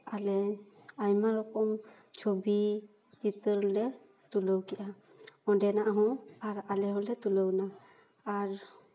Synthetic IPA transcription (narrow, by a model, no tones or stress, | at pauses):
alɛ | ajmaɾɔkɔm | t͡ʃʰobi | t͡ʃit̪əɾlɛ | t̪uləwkɛʔa | ɔdɛnaʔaɦɔ̃aɾalɛɦɔ̃lɛt̪ulɔwnaː | ɾ